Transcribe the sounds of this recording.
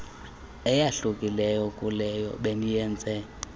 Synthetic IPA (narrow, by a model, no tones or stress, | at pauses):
ɛjaɬukʼilɛjɔkʼulɛjɔ̰ɓenijɛːnd͡zʱɛ